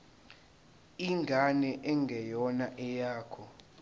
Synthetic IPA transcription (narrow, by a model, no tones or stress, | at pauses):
iŋɡʱanɛʔɛŋɡʱɛjɔnaʔɛjaːkʰɔ